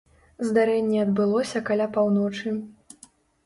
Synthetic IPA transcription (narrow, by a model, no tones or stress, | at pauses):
zd̪aɾɛnʲːɛɐd̪bɨlˠɔsʲɐkalʲapawnɔt͡ʂɨ